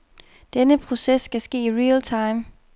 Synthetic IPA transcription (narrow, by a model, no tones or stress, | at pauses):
d̥enəpʰʁo̝sesːɡ̥æsɡ̥e̝̰ːiʁiːlt͡sʰɑ̈ɪm